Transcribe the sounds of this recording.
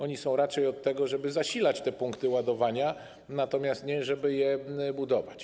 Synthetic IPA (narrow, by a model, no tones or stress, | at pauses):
ɔɲisɔ̃w̃ɾat͡ʂɛjɔt̪ːɛɡɔʐɛbɘzaɕilat͡ɕt̪ɛpuŋkt̪ɘwad̪ɔvaɲa | nat̪ɔmʲjast̪ɲɛʐɛbɘjɛbud̪ɔvat͡ɕ